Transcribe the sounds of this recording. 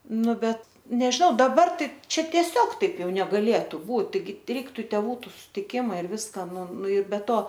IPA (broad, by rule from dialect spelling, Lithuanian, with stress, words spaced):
ˈnʊ ˈbʲɛt nʲɛʒʲɪˈnɐʊ dɐˈbɐr ˈtɐɪ ˈt͡ʃʲɛ tʲiɛˈsʲoːk ˈtɐɪp ˈjɛʊ nʲɛɡɐˈlʲeːtʊ ˈbuːt tɐɪˈɡʲɪ ˈrʲɛɪktʊ ˈtʲæːʋuː sʊtʲɪˈkʲɪmɐ ɪr ˈʋʲɪskɐ ˈnʊ ˈnʊ ɪr bʲɛ ˈtoː